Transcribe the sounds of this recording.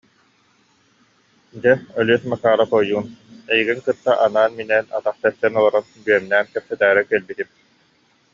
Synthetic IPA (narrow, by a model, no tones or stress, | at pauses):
d͡ʑɛœlyɛsmakaːɾapɔjːuːnɛjiɡiŋkɯt̪ːaʔanaːnminɛna̰t̪aχt̪ɛst̪ɛnɔlˠɔɾanbyœmnæːnkɛp̚sɛt̪æːɾɛkɛlbit̪im